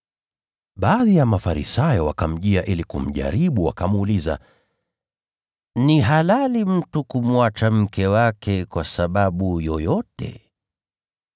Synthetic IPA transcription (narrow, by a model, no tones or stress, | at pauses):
ɓaːðijamafaɾḭsajɔwakam̩ʄiaʔilikum̩ʄa̰ɾiɓuwa̰kamuliza̰ | niɦalalim̩tukumwat͡ʃam̩kɛwakʰɛkwasaɓaɓujɔjɔtɛ̰